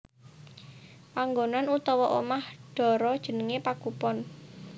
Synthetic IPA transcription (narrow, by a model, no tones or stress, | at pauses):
paŋɡonanut̪ɔwɔʔomahɖ̥ɔ̤ɾɔd̥ʒ̥ə̤nəŋepaɡ̥upɔn